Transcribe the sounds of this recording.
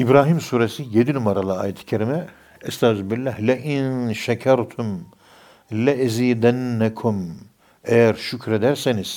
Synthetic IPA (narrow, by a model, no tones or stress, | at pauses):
ibɾaːɦimsuːɾesijed̪inumaɾalˠaːjɛt̪ʰi̥cʰeɾimɛ | ɛst̪ʰaːzubilːæhlɛʔinʃakʰaɾt̪ʰum | lɛʔɛziːd̪ænːækʰum | ejæɾʃucɾed̪æɾseniz̥